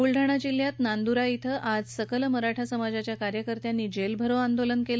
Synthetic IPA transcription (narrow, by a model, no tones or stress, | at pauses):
uɭɖʱəɽ̃ad͡ʑiljat̪nand̪uɾait̪ʰəʔad͡zsəkəlməɾaʈʰasəmad͡zat͡ɕjakaɾjəkəɾt̪janːiːd͡ʑelbʱəɾoand̪olənkel